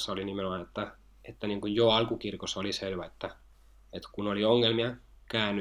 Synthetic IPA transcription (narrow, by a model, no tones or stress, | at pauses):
sːɑolinimenomɑnet̪ːæ | et̪ːæniːŋkujjoɑlkukirkosːɑoliselʋæet̪ːæ | et̪kunolioŋːelmiɑ | kæˑːnːy